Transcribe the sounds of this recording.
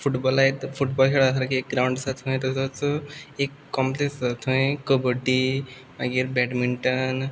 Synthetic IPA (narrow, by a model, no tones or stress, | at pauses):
fuʈbɔlaɦet̪fuʈbɔlkʰeɽaəsaɾkiek̚ɡɾawɳɖsat̪ɦõj̃ẽt̪ətət͡səekːɔmplesat̪ʰɦõẽkəbəʈːi | aɡeɾbɛʈmiɳʈən